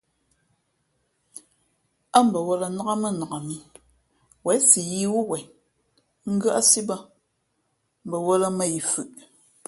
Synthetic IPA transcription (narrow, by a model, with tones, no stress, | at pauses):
a˦m̩˨bə˨wɔ˦la˨na˦a˦mə˦˨na˨a˨mi˨ | wɛ˨˦si˨ji˦wu˦wɛ˨ | ŋ̩˦ɡə˦ʔa˦si˦ba˦ | m̩˨bə˨wɔ˦la˦mə˦ji˨fʉ˨ʔ